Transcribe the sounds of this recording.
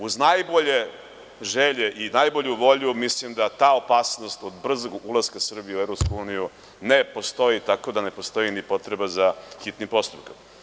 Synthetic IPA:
uznajbo̞ʎe̞ | ʒeʎeʔinajbo̞ʎuʋo̞ʎumislimd̪at̪aːo̞paːsno̞st̪od̪br̩zoɡulˠaskasr̩bijeuevɾopskuuːniju | nepo̞st̪o̞it̪ako̞d̪ane̞po̞st̪o̞jinipo̞t̪ɾe̞bazaxit̪nipo̞st̪upkam

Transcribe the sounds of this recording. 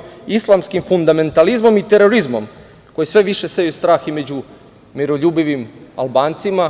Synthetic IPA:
islˠamskimfund̪ame̞nt̪alizmo̞mit̪eɾo̞ɾizmo̞̰m | kojisʋe̞ʋiʃesejust̪ɾaːxime̞d͡ʑu | miɾo̞ʎuːbiʋima̰lˠbaːnt̪sima

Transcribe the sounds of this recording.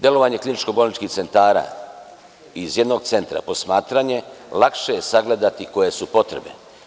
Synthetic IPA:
d̪je̞lo̞ʋaɲe̞klinit͡ʃko̞bolnit͡ʃkiht̪se̞nt̪aːɾa̰ | izjed̪noɡt̪se̞nt̪ɾa̰po̞smaːt̪ɾaɲe̞lakʃejesaɡle̞d̪at̪iko̞je̞supo̞t̪ɾe̞̰bnḛ

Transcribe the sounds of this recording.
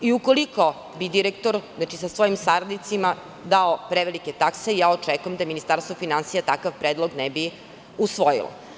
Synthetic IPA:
iukoliko̞ | bid̪iɾekt̪oɾznat͡ʃisasʋojimsaɾad̪nit̪sima | d̪aopɾeʋeliket̪akseijaːot͡ʃekujemd̪aminist̪aɾst̪vofinansijat̪akaʋpɾeːd̪lˠoɡnebi | usʋojḭlˠo̰

